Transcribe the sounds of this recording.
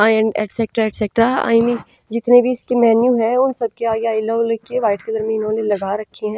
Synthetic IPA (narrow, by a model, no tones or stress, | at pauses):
aɛ̃ɳɖɛ̰ːʈseːk̚ʈɾaɛːʈseːk̚ʈɾaa̰ːimi | d͡ʒɪt̪nebʱiɪskemɛːnjuɦɛ̃ʊnsɐb̚keaːɡeaːɪlolkeʋaːɪʈked̪ɐɾmẽɪnõːlẽlɐɡaːɾɐkʰːeɦɛ̃ː